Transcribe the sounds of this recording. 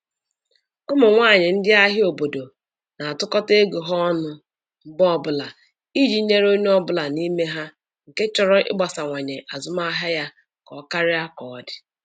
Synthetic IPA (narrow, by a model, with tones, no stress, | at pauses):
ʊ˦mʊ˨ŋʷaː˦˨ɲɪ˨n̩˦dɪ˦a˦ɦɪ˦o˨bo˨do˨ | na˨a˨tʊ˦kɔ˦te˦ɡu˨ɦɔ˦nʊ˦ | m̩˦bɔ˦bʊ˦la˨ | i˦d͡ʒi˦ɲe˦ɾo˦ɲ˦ɔ˦bʊ˦la˨ni˦me˦ɦa˦ | ŋ̩˨ke˦t͡ʃɔ˦ɾɔ˦ʔɪ̰˦ɡ͡ba˨sa˨ŋʷa˨ɲe˨ʔa˨zʊ˦ma˦ɦa˦ja˦ | kɔ˨˦ka˦ɾɪ˦a˦kɔ˨ɔ˨dɪ̥˨